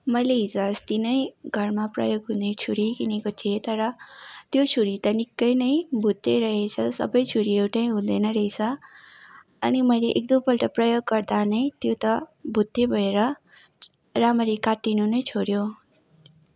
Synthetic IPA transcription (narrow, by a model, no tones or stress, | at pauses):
mʌjleɦid͡zast̪inʌjɡʱʌrmaprʌ̰joɡɦũnet͡sʰuɾikinikot̪ʰiet̪ʌɾʌt̪jot͡sʰuɾit̪ʌnikːʌjnʌjbʱut̪ːeɾʌɦet͡sʰʌsʌ̰bʌjt͡sʰuɾiewʈaj̃ɦũd̪ʌjnʌɾʌjt͡sʰʌ | ʌnimʌjleʔek̚d̪ʌmpʌlʈʌprʌjoɡːʌrd̪anʌjt̪jot̪ʌbʱut̪ːebʱʌeɾʌ | ramʌɾikaʈːinunʌjt͡sʰoɾjo